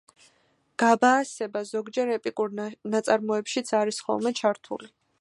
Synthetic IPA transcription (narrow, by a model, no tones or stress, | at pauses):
ɡ̥abaːsɛbazɔɡd͡ʒɛɾɛpʼikʼuɾnat̪sʼaɾmɔɛpʃit̪sʰaɾisχɔ̰lˠmɛt͡ʃʰaɾt̪ʰṵli